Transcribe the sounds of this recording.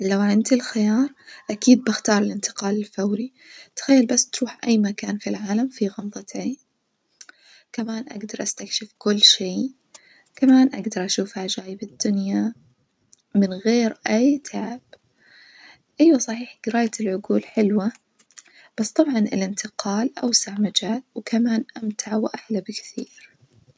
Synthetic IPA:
lawʕɪnd̪ɪlxɪjɑːɾˤʔakiːd̪̚bɪxt̪ɑːɾˤɪlɪnt̪ɪ̥qɑːlɪlfawɾi | t̪xajːalbasːt̪ɾuːħʔajːmakaːnfilʕaːlamfiɣɑmd̪ˤɑt̪iː | kamaːnʔa̰ɡd̪ɑɾˤʔast̪akʃɪfkʊlːʃiː | kamaːnʔa̰ɡd̪ɑɾˤʔaʃuːfhad͡ʒaːjbɪd̪ːʊnja | mɪnɣeːɾʔajt̪ʰaʕɪb̥ | ʔajwasˤɑħiːħɡ̥ɪɾaːjaɪlʕʊɡuːlħɪlwa | b̥asːt̪ˤɑbʕɑnɪ̰lɪnt̪ʰɪqɑːlʔa̰wsaʕmad͡ʒaːlwkʰamaːnʔamt̪ʰaʕwʔaħlabɪkθiːɾ

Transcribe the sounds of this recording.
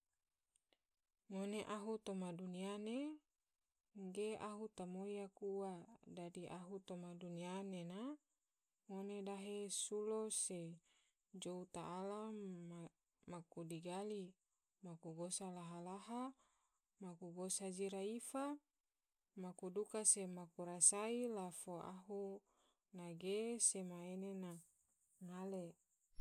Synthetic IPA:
ŋoneʔaɦut̪omaduniane | ŋɡeaɦut̪amojakuwadadiʔaɦut̪omadunianena | ŋonedaɦesulose | d͡ʒout̪aʔːlam | makudiɡali | makuɡosalaɦalaɦa | makuɡosad͡ʒiɾaifa | makudukasemakuɾasailafoa̰ɦu | naɡesemaenena | ŋale

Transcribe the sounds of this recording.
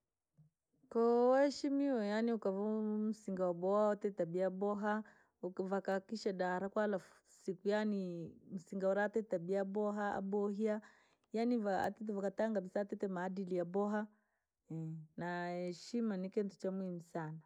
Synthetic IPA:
kɔwahɛʃimiwɔjaniukavam̩siŋɡawabɔaɔtɛtabiaɓɔɦa | ukvakakiʃaɗaɾakwaːlafu̥ | sikujanim̩siŋɡaɔɾatɛtabiabɔɦaa̰ɓɔhia | janivaa̰tɛt̬ɛvakataŋɡabisaːtɛtɛmaːdilijabɔɦa | ɛnahɛʃimanikɛntu̥t͡ʃamuimusana

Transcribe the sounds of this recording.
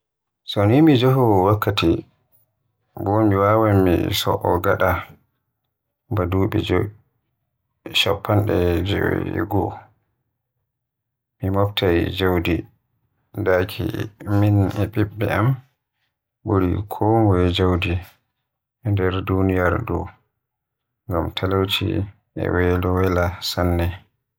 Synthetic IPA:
sɔnimid͡ʒɔɦɔwakʰːati | bɔmiwawamḭsɔ̰ʔɔɡaɗa | baduːɓɛ̰d͡ʒ | ʃɔ̰pʰːanɗɛd͡ʒɛ̰ɡɔ | mimɔktʰajd͡ʒawdi | dakʰḭminɛɓiɓːɛam | boɾikʰɔmwɛd͡ʒawdi | ɛndɛɾdunijaɾdɔ̰ | ŋɡamtʰalawt͡ʃḭ | ʔɛ̰wɛlɔwɛlasanːɛ

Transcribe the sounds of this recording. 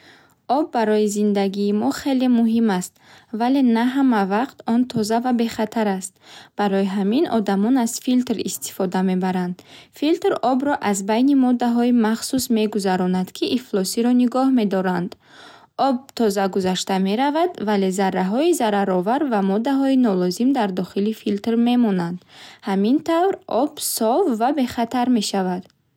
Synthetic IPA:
ɔbːaɾɔjizind̪aɡiːmɔχe̞lemuɦimast̪vale̞naɦamavaqt̪ɔnt̪ʰɔzavabe̞χat̪ʰaɾast̪̚b̥aɾɔjiɦaminɔ̰d̪amɔnaz̥filt̪ɾist̪ʰi̥fɔd̪ame̞baɾand̪filt̪ɾɔbɾɔʔazbajnimɔd̪aɦɔimaχsusme̞ɡuzaɾɔnad̪̥kʰiʔiflɔsiɾɔniɡɔhme̞d̪ɔɾand̪ | ɔb̚t̪ʰɔzaɡuzaʃt̪ame̞ɾavad̪vale̞zaɾːaɦɔizaɾaɾɔvaɾvamɔd̪aɦɔinɔlɔzimd̪aɾd̪ɔχilifilt̪rme̞mɔnand̪hamint̪ʰavɾʔɔbsɔvːabe̞χat̪ʰaɾme̞ʃavad̪̥

